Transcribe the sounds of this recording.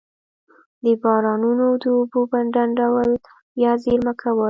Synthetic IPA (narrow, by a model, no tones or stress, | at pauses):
d̪əbɑɾɑnunod̪əːbubaɳɖanɖawəl | bjɑzeɾməkʰawəl